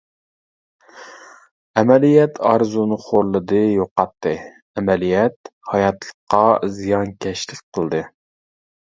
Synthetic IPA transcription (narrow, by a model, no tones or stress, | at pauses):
ɛmɛlijɛt̪ʰɑɾzunɨχoɾlˠɨd̪ɨjoqɑt̪ʰːɨ | ɛmɛlijɛt̪hɑjɑt̪lˠə̥qːɑzijɑnkʲʰɛʃlɪkʲqʰəlˠd̪ɨ